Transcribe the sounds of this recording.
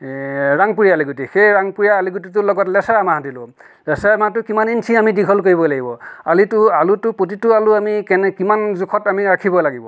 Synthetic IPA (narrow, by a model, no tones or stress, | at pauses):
ɹaŋpuɹiaaliɡutixejɹaŋpuɹijaːliɡutit̬ʊlɔɡɔtlɛsɛɹamaɦdilʊ̃ | lɛsɛɹamatʊkimaninsʰiamidiɡʱɔlkoɹibɔlaɡibɔalitʊalutʊpotitʊalʊamikɛnɛkimanzukʰɔtamiɹakʰibɔlaɡibɔ